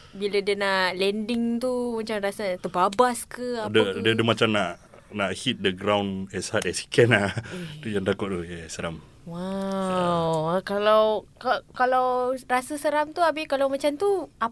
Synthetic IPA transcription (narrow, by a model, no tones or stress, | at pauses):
bilədiənalɛndɪŋt̪umat͡ʃamrasət̪əbabaskəadəadədumat͡ʃamnaʔ | naʔhit̪̚dəɡɾawnɛshat̪̚ɛsi̥kɛnat̪ud͡ʒant̪akʊt̪̚t̪uhjasəɾam | wa | wkalawkakalawrasəsəɾamt̪uabɪkalawmat͡ʃamt̪ua